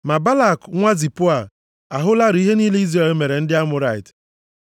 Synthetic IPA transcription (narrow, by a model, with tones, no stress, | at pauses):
ma˨ba˦la˦˨kŋʷa˦zi˨pʊ˦a˨ | a˨ɦʊ˦la˦ɾi˦ɦe˦niː˦le˦i˦zra˦˨lme˨ɾe˨n̩˦dɪ˦a˦mʊ˦ɾa˦˨ɪ˨t